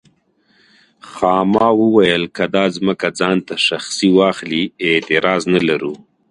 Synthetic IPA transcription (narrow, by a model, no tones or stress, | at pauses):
xɑːmɑwəwajəlkad̪ɑzməkad͡zɑnt̪aʃaxsiwɑxliɪt̪ɪɾɑznalaɾu